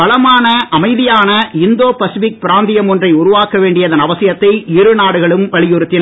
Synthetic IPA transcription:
ɐlɐmaːnɐʔɐmɐɪðɪjaːnɐɪnd̪oːpɐsɪfɪk̚pɪɾaːnd̪ɪjɐmɔndrɐɪʊɾʊʋaːkːɐʋeːɳɖɪjɐðɐnɐʋɐsɪjɐt̪ːɐɪɪɾɯnaːɽɯɣɐɭɯmʋɐɭɪjɯɾɯt̪ːɪn

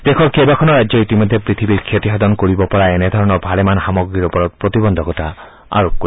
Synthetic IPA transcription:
d̪ekʰɔkebakʰɔnɔɾad͡ʒjɔit̪imɔd̪ʱjepɾit̪ʰibiɾkʰet̪iɦad̪ɔnkoɾibɔpɔɾaened̪ʱɔɾɔɽ̃ɔbʱalemanɦamɔɡɾiɾɔpɔɾɔt̪̚pɾɔt̪ibɔnd̪ʱɔɡɔta | a̰ɾokːɔ

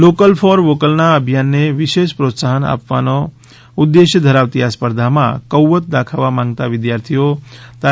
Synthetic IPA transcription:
lokəlpʰɔɾʋokəlnaəbʱjanːeʋisespɾot̪saɦəna̰pʋanɔ | ud̪ːesjəd̪ʱəɾawt̪ijaspəɾd̪ʱama̰kəwʋət̪̚d̪akʰaʋamãŋɡt̪aʋid̪jaɾt̪ʰijot̪a

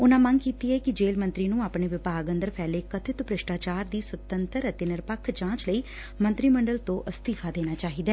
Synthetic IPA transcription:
ʊnãːməŋɡkiːt̪iːɛːkɪd͡ʒeːlmə̃nt̪ɾiːnũːaːpɳeːʋɪpaːɡənd̪əɾpʰɛːleːkət̪ʰɪt̪pɾɪʃʈaːt͡ʃaːɾd̪iːsət̪ənt̪əɾət̪eːnɪɾpəkʰd͡ʒãːt͡ʃləiː | mə̃nt̪ɾiːməɳɖəlt̪õːʔəst̪iːpʰaːd̪eːnaːt͡ʃaːɦiːd̪aɛː

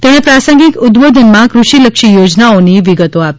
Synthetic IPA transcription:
t̪eɽ̃epɾasə̃ŋɡikud̪bod̪ʱənmãkɾuʃiləkʃijod͡ʒnaoniʋiɡət̪oapi

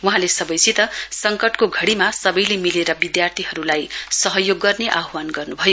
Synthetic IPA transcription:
wuɦãlesʌbʌjsʰit̪ʌsʌŋkʌʈkoɡʱʌɽimasʌbʌjlemileɾʌbid̪jart̪ʰiɦʌɾulajsʌɦʌjoɡːʌrneʔaɦwanɡʌrnubʱʌjo

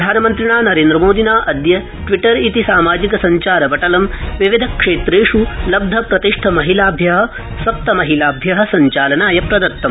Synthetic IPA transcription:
d̪ʱaːnɐmɐnt̪ɾiɳaːnɐɾeːnd̪ɾɐmoːd̪ʱinaːʔɐd̪jɐ | ʈʋiʈɐɾit̪isaːmaːd͡ʒikɐsɐɲt͡ʃaːɾɐʋɐʈɐlɐmʋiʋid̪ʱɐkʂeːt̪ɾeːʂulɐb̚d̪ʱɐpɾɐt̪iʂʈʰɐmɐɦilaːbʱjɐɦɐ̆ | sʋɐk̚t̪ɐmɐɦilaːbʱjɐɦɐ̆sɐɲt͡ʃaːlɐnaːjɐpɾɐd̪ɐt̪ːɐ

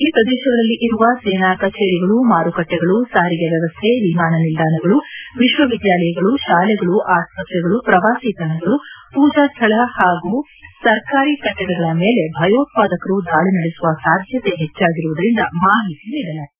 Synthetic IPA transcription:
iːpɾɐd̪eːʃɐɡɐɭɐlːiʔiɾuʋɐseːnaːkɐt͡ʃeːɾiɡɐɭumaːɾukɐʈːɛɡɐɭusaːɾiɡɐʋjɛʋɐst̪ʰe̞ʋiɦaːnɐnild̪aːnɐɡɐɭuʋiʃʋɐʋid̪jaːlɐjɐɡɐɭuʃaːlɛɡɐɭuʔaːspɐkːjɐɡɐɭupɾɐʋaːsit̪ɐnɐɡɐɭupuːd͡ʒaːst̪ʰɐɭɐhaːɡuː | sɐɾkaːɾikɐʈːɐɽɛɡɐɭɐmeːle̞bʱɐjoːt̪ʋaːd̪ɐkɐɾud̪ʱaːɭinɐɽesuʋɐsaːd̪ʱjɐt̪e̞ɦet͡ʃːaːɡiɾuʋud̪ɐɾind̪ɐmaːɦit̪iniːɽɐlɐ

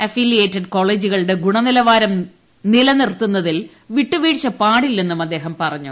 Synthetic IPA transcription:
ɐfilijeːtːeɖko̞ːɭeːd͡ʑuɣɐɭɽe̞ɡuɳɐnilɐʋaːɾɐm | nilɐnirt̪ːunːɐðil | ʋiʈːuʋiːɻɕɐpaːɽilːe̞nːumɐd̪ːe̞ːɦɐmpɐrɐɲːu

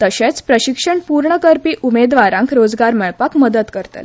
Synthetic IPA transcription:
t̪əɕẽt͡spɾəɕikʂəɳpuɾɳəkəɾpiːʔumed̪ʋaɾãŋkɾod͡zɡaɾmɛɭpakməd̪ət̪kəɾt̪ə̰l

